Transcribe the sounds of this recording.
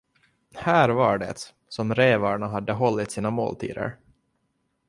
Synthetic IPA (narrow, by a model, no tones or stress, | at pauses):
hæːɾvaɖɛ̰t̪ | sɔmɾeːvɑːɳaɦad̪ːəɦɔlːɪt̪siːnamo̰ːlt̪ʰḭːd̪ə̰ɾ